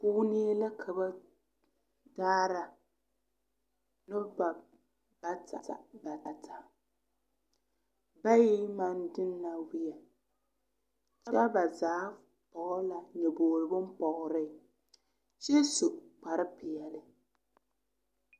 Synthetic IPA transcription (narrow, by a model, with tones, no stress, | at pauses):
puː˦ni˦la˦kʰa˨ba˦ | daː˦ɾa˨ | nʊ˦ba˨ | ba˦ta̰˨a̰˨ba˨ta˨tʰa˨ | ba˦ji˦ma˦ndɨ˦nːa˨wi˦jɛ˨ | t͡ʃa˦a˦ba˨zaː˨˦ | pɔ˨ɣʊ˦la˨ɲɛ˨boː˨ɾɨ˨bʊ˦m˦pɔ˨ɣʊ˨ɾɪ˦˨ | ʃɛ˦sʊ˨ʔk͡pa˨ɾɪ˦pɪ˨jɛ˨lɪ˨